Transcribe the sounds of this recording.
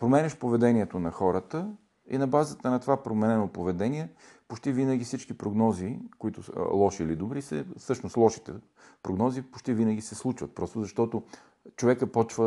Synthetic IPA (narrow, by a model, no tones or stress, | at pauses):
pɾomɛnʲɛʃpovɛd̪ɛniɛt̪onɐxɔɾət̪ə | ḭnɐbazət̪ənɐt̪ovapɾomɛnɛnopovɛd̪ɛniɛ | pot͡ʃt̪ivinəɡ̟ifsit͡ʃkipɾoɡnɔzikoit̪ʊlˠɔʃiːlid̪obɾisə̰fsɤʃnʊst̪lˠɔʃi̥t̪ɛ | pɾoɡnɔzipo̥t͡ʃt̪ivinəɡ̟isɛslˠut͡ʃvət̪̚pɾɔst̪ʊzɐʃt̪ɔt̪o | t͡ʃovɛkəpɔt͡ʃvə